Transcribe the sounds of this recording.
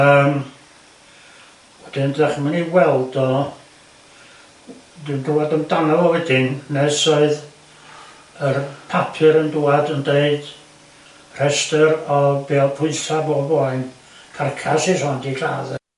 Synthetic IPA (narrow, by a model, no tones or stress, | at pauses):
əːm | wɛd̥ɪndɛχmaninwɛlˠdɔ | dɨnduadəmdanavɔwɛdɪnnɛsɔɨð | ərpʰapʰɨɾənduadəndeɨd̥ | r̥ɛstəɾɔbeːɔpʰʊɨsabɔbɔɨn | kʰarkʰasisɔndiɬa̰ːðɛ